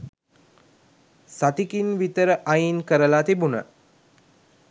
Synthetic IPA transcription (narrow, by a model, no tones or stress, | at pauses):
sat̪ikinʋit̪əɾəʔajinkəɾəlaːt̪ibunə